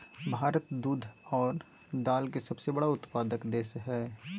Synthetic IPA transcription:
bʱaːɾət̪d̪uːd̪ʱɔːɾ | d̪aːlkesɐbsebɐɽaʊt̪paːd̪əkd̪eːsɦɛː

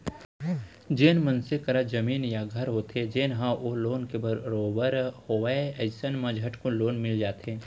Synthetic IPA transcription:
d͡ʒeːnmɐnsekɐɾad͡ʒɐmiːnjaɡʱɐɾɦot̪ed͡ʒeːnɦãʔoloːnkebəɾɾoːbəɾhoaɛsənmɐ̃d͡ʒʱɐʈkoloːnmɪld͡ʒaːt̪ẽː

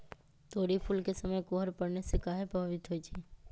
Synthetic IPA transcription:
t̪oːɾipʰʊlkesəməjkoːɦəɾpɐɽnesekaːɦepɐbʱəʋɪt̪ɦoit͡ʃʰeː

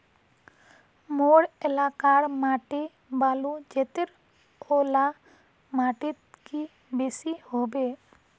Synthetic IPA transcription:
moɽɛlakaɾmaʈi | balud͡ʒɛt̪eɾ | ɔla | maʈit̪̚ki | bɛsihɔbɛ

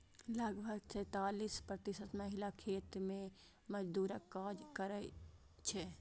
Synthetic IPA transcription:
ləɡbʱəɡsɛ̃ːt̪aːliːspɾət̪ɪsət̪məɦɪlakʰeːt̪mẽ | məd͡ʒd̪uːɾəkːaːd͡ʒkəɾə | t͡ʃʰɛ

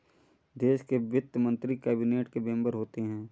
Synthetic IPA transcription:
d̪eːʃkebjʊt̪ːjəmə̃nt̪ɾikɛːbineːʈkebẽːmbəɾɦoːt̪eɦɛ̃ː

